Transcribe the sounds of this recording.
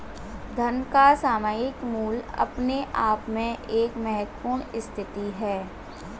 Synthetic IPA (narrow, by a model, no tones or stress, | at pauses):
d̪ʱɐnkasaːmaːjɪkmuːlɐ̰pneʔaːpmẽʔeːkmɛɦət̪puːɾɳ̃ɪst̪ʰɪt̪iɦɛː